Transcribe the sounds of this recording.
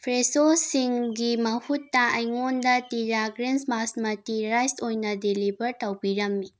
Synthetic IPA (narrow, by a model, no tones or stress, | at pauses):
pʰɾesosiŋɡimɐhutːɐɐjŋondɐtiɾaɡɾensmasmɐtiɾajstojnɐdilibɐɾtɐwbiɾɐmːi